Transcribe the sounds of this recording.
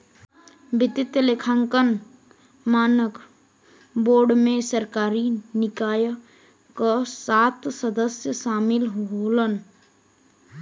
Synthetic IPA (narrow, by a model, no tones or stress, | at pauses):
bɪt̪ɪt̪jəlekʰaŋkən | maːnək | boːɾɖmẽsəɾkaːɾinɪkaːj | kəsat̪səd̪əsjəsaːmɪlɦɦolən